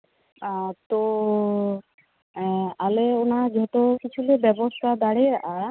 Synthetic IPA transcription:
at̪o | aleonaɾd͡ʒeɦɔt̪okit͡ɕʰulebɛbost̪ʰad̪aɽea

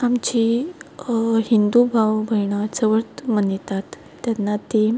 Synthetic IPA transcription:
amt͡ɕi | ɦind̪ubʱaʋbʱəjɳ̃at͡səʋəɾt̪mənit̪at̪ː | janːat̪e

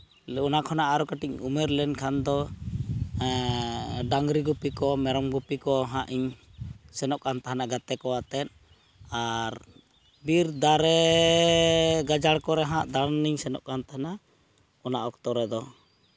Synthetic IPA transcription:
ɔnakʰɔnaʔaɾɔkaʈiɲumɛɾlɛnkʰand̪ɔ | ɖaŋɡɾiɡupikɔmɛɾɔmɡupikɔɦãʔiɲsɛnɔʔ̚kant̪aɦanaɡat̪ɛkɔwat̪ɛn̚ | aɾ | biɾd̪aɾɛ | ɡad͡ʒaɽkɔɾɛɦãʔd̪aɽniɲsɛnɔ̰ʔkant̪ahana | ɔnaʔɔk̚t̪ɔɾɛd̪ɔ

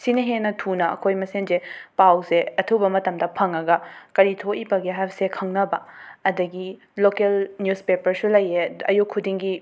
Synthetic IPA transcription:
sinɐɦenɐtʰunɐɐ̰kʰojmɐsenzepawzeɐtʰubɐmɐtɐmdɐpʰɐŋɐɡɐkɐɾitʰoʔibɐɡiɦajbɐsekʰɐŋnɐbɐɐdɐɡi | lokelnjuspepɐɾsulɐjeɐjukʰːudiŋɡi

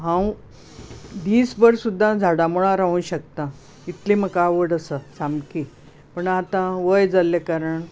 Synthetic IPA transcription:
ɦãw | d̪iːsbəɾsud̪ʱːãd͡zʱaɽamuɭ̃ãɾaũɕək̚t̪ã | it̪leməkaʋəɽəsəsamki | pəɳat̪ãʋəjd͡zalekaɾəɳ

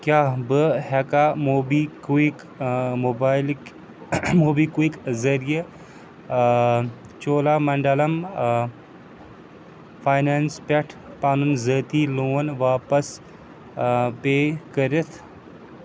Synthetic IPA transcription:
kjaːbɨɦɛkamoːbiːkik | mobaːjl | moːbiːkuikzɐɾije | t͡ʃoːlaːmɐɳɖɐlɐm | fʰaːjnanspʲɐʈʰpaːnunzəːt̪iːloːnʋaːpɐs | peːkɐɾit̪ʰ

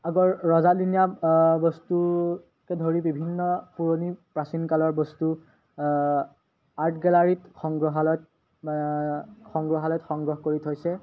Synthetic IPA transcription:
aɡɔɹɹɔzadinijabɔstu | kɛdʱoɹibibʱinːɔpuɹonipɹasinkalɔɹbɔstu | aɹtʰɡɛlaɹitxɔŋɡɹɔɦalɔt | xɔŋɡɹɔɦalɔjtxɔŋɡɹɔɦkoɹitʰojsɛ

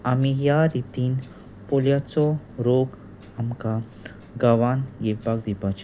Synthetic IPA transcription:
amijaɾit̪in | poljat͡so | ɾoɡ | amka | ɡaʋanjebaɡ̚d̪ibat͡ʃ

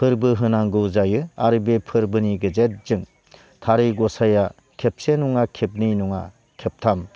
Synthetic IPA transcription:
pʰɯɾbɯɦɯnaŋɡɯwzajɯa̰ɾɯbepʰɯɾbɯniɡɯd͡ʒet̚zɯŋ | tʰaɾɯjɡɔsaja | kʰep̚senuŋakʰep̚nijnuŋa̰ | kʰep̚tʰam

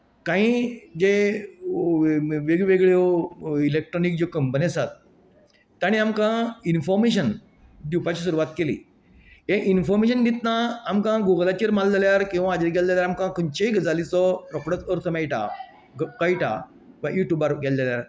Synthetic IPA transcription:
kãĩd͡ʑe | ʋeɡʋeɡɭjoilek̚ʈɾɔnik̚d͡ʑokəmbənesat̪ː | aɽ̃iamkãinfɔɾmeɕ̬ən | d̪upat͡ɕis̬uɾuʋat̪kelḭ | ɦẽʔinfɔɾmeɕ̬əndit̪naːmkãɡoɡlat͡ɕiɾmald͡zaljaɾkĩw̃ʋãːd͡ʑeɾɡɛld͡zaljaɾamkãkəɲt͡ɕeɡd͡zalit͡sɔɾɔkɽət͡səɾt̪ʰəmɛjʈa̰ | ɡkajʈa̰ | ʋajuʈjubaɾɡɛld͡zeljaɾ

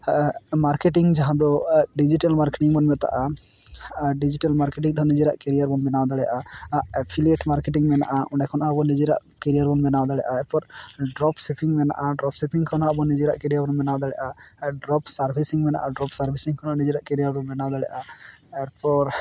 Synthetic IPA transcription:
maɾkeʈiŋd͡ʒaɦãd̪ɔɖid͡ʒiʈalmaɾkeʈiŋbɔnmɛt̪a̰ʔa | ɖid͡ʒiʈalmaɾkeʈ̬iŋd̪ɔnid͡ʒiɾa̰ʔkɛɾijaɾbɔnbɛnawd̪alɛʔaaʔɛpʰilieʈmaɾkeʈiŋmɛna̰ʔaʔɔ̃ɳɖɛkʰɔnʔabɔnid͡ʒiɾa̰ʔ | kɛɾijaɾbɔnbɛnawd̪alɛ̰ʔaɛɾpɔɾɖɾɔpsɛpʰiŋmɛna̰ʔaɖɾɔpsɛpʰiŋkʰɔnhaʔbɔnid͡ʒiɾa̰ʔkɛɾijaɾbɔnmɛnawd̪alɛ̰ʔaɖɾɔpsaɾbʱisiŋmɛna̰ʔaɖɾɔpsaɾbʱisiŋkʰɔnanid͡ʒiɾaʔkɛɾijaɾbɔnbɛnawd̪alɛ̰ʔaɛɾpɔɾ

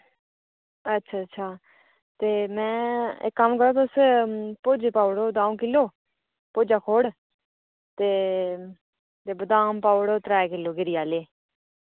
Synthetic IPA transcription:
ətːʃʰaːətːʃʰaː | t̪eːmɛ̃ːḛkːəmkəɾoːt̪ospoːd͡ʒepaːʊɽoːd̪ãːũːkɪlːoː | poːd͡ʒaːkʰoːɽ | t̪eː | t̪eːbəd̪aːmpaːʊɽoːt̪ɾaːkɪloːɡɪɾɪjaːleː

